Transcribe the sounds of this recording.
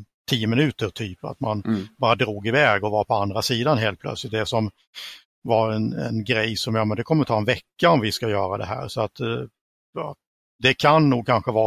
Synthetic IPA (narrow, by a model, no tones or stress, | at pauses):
t̪ʰiːəmɪnʉ̟ːt̪əɾt̪ʰyːpa̰t̪manbɑːɾad̪ɾuːɡɪvɛːɡɔvaɾpʰɔand̪ɾasiːd̪anɦeːlt̪pʰlœ̰t̪slɪt̪̚d̪ɛsɔm | vaɾɛnɛ̰nɡɾɛjsɔmjɑːmɛnd̪ɛkʰɔmːət̪ʰɑːɛnvɛkːaɔmvɪskajœːɾad̪ɛ̰ɦæ̰ːɾsɔat̪ | jɑ | d̪ɛkʰanːuːɡ̚kʰanɧəvɑː